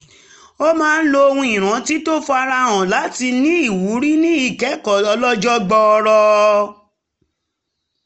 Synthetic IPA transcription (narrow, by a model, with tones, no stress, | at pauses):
o˦mãː˦˧n̩˦lo˧o˧hũ˧˦i˨ɾ̃ã˨˦ti˦to˦fɔ˧a˧ɾa˧wã˨la˨˦ti˧nĩ˦i˦˨wu˨˦ɾi˦nĩ˦i˨kɛ˨˦kɔ˨ɔ˧lɔ˦d͡ʒɔ˦ɡ͡bɔ˧ɔ˧ɾɔ˧